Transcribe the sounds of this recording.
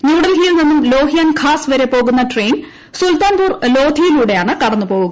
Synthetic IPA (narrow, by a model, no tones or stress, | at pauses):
njuːɽɐlɦijlninːumlo̞ːɦijaːnkʰaːsʋɐɾe̞po̞ːɣunːɐʈre̞ːn | sult̪aːnpuːrlo̞ːd̪ʱijiluːɽe̞jaːɳɨkɐɽɐnːupo̞ːɣuŋɐ